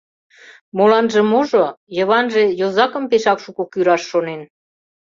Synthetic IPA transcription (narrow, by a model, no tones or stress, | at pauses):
molɑnʒə̆muʒojə̆βɑnʒejozɑkə̆mpeʃɑkʃukukyɾɑʃːonen